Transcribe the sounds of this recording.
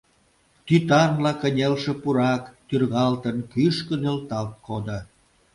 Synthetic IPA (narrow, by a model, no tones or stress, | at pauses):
t̪yt̪ɑnlɑkənʲelʃĕpuɾɑkt̪yrɣɑlt̪ənkyʃkənølt̪ɑlt̪̚kʰod̪ə